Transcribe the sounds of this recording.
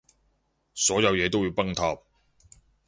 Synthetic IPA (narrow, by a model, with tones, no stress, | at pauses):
sɔː˨˥jɐ˨˧wjɛː˨˧t̪̬o˥wjiː˨˧wpɐ˥ŋt̪ʰaː˧p̚